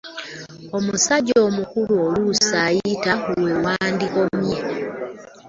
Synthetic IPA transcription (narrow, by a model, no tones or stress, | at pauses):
omusaɟoːmukuluolusajitahuwewaːndiko̞mje